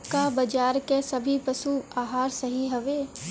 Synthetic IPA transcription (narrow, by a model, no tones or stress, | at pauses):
kabɐd͡ʒaːɾkesɐbʱipəsuaːɦaːɾsɐɦiɦɐʋeː